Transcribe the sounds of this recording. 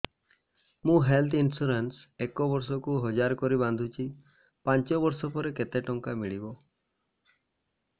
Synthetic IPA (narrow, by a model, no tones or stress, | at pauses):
mũɦelt̪ʰinsuɾens | ekɔbɔɾs̬ɔkuɦɔd͡ʒaɾkɔɾiβand̪ʱut͡ʃʰi | pant͡ʃɔbɔɾsɔpɔɾeket̪eʈɔŋkamiɭibɔ